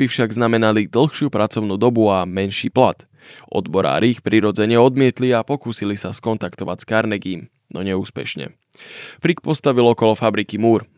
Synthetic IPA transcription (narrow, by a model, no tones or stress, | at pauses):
b̥ifʃaɡznamɛnalid̪l̩ˠxʃɪuːpɾat͡sɔʊnuːd̪ɔbuamɛnʃḭːplat̪ | ʔɔ̰d̪bɔɾa̰ːɾiixpɾiɾɔd͡zɛɲɛɔd̪mɪɛt̪liapɔkuːsilisaskɔnt̪akt̪ɔʋa̰cskaɾnɛɡiːm | nɔɲɛuːspɛ̰ʃɲɛ̰ | fɾik̚pɔst̪aʋilɔkɔlɔfabɾikimuːɾ